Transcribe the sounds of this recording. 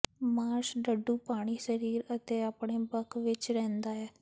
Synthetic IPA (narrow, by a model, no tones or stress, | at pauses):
maːɾʃɖəɖːuːpaːɽ̃iːsəɾiːɾət̪eːaːpɳeːbəkʋɪt͡ʃɾɛ̃ːnd̪aːɛː